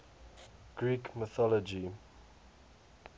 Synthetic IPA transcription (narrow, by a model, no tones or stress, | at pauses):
ɡ̥ɹiːkmɪθɔlɔd͡ʒi